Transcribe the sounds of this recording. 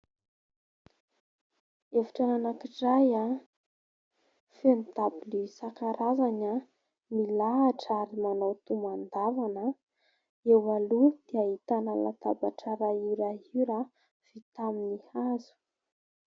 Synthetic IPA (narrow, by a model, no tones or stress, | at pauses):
efi̥ʈ͡ʂananakiʈ͡ʂaja | fenit̪abilisakaɾʔazaɲə | milaɦaʈ͡ʂaɾimanot̪umand̪avanə | ewalud̪̥iaɦit̪anala̰t̪abaʈ͡ʂaɾaiɾaiɾa | v̥it̪aminihazu̥